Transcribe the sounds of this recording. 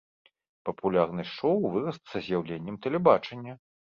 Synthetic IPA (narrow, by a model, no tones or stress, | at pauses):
pɐpulʲarnɨʂɔwvɨɾɐst̪sɐzʲjawlʲenʲːɛmt̪ɛlʲɛbat͡ʂɐnʲːɐ